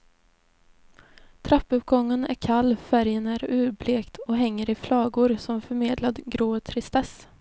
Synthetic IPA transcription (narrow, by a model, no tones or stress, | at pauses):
t̪ʰɾapːɵp̚ɡɔŋːənæ̰ɾkʰalːfæɾjənæɾʉ̟ːɾbleːkt̪ʰɔɦɛŋːəɾɪflɑːɡʊɾsɔmfœɾmeːd̪lad̪ɡɾoːt̪ʰɾɪst̪ɛs